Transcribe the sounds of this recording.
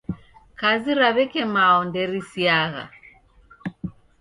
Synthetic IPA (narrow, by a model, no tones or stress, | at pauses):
kaziɾaβɛkɛmaɔndɛɾisiaɣa̰